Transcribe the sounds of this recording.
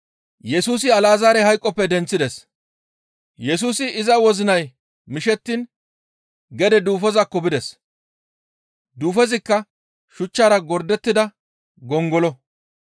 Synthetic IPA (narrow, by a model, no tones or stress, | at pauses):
jɛsuːs̬ɪɐlaːzaːɾɛhɐjkʼːɔpːɛd̪ɛnt͡sːɪd̪ɛs | jɛs̬uːsɪɪzɐwɔzɪnɐj | mɪʃɛt̪ːin | ɡɛd̪ɛd̪uːfɔzɐkːɔbɪd̪ɛs | d̪uːfɛzɪkːɐ | ʃʊt͡ʃːaːɾɐɡɔɾd̪ɛt̪ːɪd̪ɐ | ɡɔŋɡɔlɔ